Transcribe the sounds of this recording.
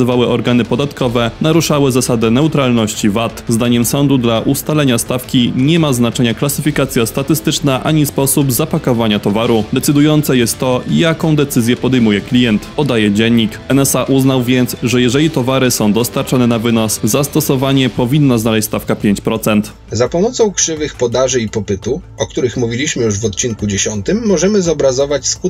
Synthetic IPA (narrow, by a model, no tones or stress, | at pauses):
vawɘʔɔɾɡanɘpɔd̪at̪kɔvɛnaɾuʂawɘzasad̪ɛnɛut̪ɾalnɔɕt͡ɕivat̪zd̪aɲɛmsɔnd̪ud̪laʔust̪alɛɲast̪afkʲiɲɛmaznat͡ʂɛɲaklasɘfʲikat̪sʲjast̪at̪ɘst̪ɘt͡ʂnaʔa̰ɲispɔsubzapakɔvaɲat̪ɔvaɾud̪ɛt̪sɘd̪ujɔnt̪sɛjɛst̪ːɔijakɔ̃w̃d̪ɛt̪sɘzʲjɛpɔd̪ɛjmujɛklʲijɛnt̪pɔd̪ajɛd͡ʑɛɲːik | ɛnɛsaʔuznawvʲjɛnt̪sʐɛjɛʐɛlʲit̪ɔvaɾɘsɔ̃w̃d̪ɔst̪aɾt͡ʂɔnɛnavɘnɔszast̪ɔsɔvaɲɛpɔvʲinːɔznalɛɕt͡ɕst̪afkapʲjeɲt͡ɕpɾɔt̪sɛnt̪ | zapɔmɔt̪sɔ̃w̃kʂɘvɘxpɔd̪aʐɘipɔpɘt̪u | ɔk̚t̪uɾɘxmuvʲilʲiɕmɘjuʐvɔt̪̚t͡ɕiŋkud͡ʑeɕɔnt̪ɘmːɔʐɛmɘzɔbɾazɔvat͡ɕsku